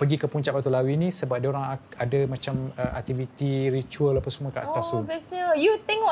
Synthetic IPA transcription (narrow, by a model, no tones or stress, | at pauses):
pəɡikəpuɲt͡ʃapat̪ulawinĩsəbap̚diaoɾaŋadamãt͡ʃaməʔa̰k̚t̪ivit̪iɾit͡ʃuələpasəmuəkaʔa̰t̪asubesəjut̪eŋɔ